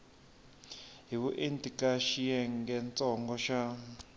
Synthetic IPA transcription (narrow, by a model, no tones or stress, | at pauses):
ɦiβuʔentʼikaʃijɛŋɡɛnt͡sʼɔŋɡɔʃa